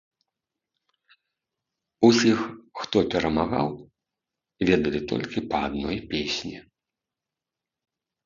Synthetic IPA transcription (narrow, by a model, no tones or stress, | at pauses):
usʲixxt̪ɔpʲɛɾɐmaɣa̰w | vʲɛd̪ɐlʲit̪ɔ̰lʲkʲipɐad̪̚nɔjpʲesʲnʲi